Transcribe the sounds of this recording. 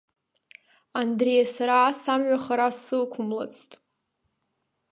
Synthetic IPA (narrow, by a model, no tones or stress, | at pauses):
andrejasaɾasamɥʷᶣaχaɾassɨlkʷʰʊmla̰t͡sʰtʼ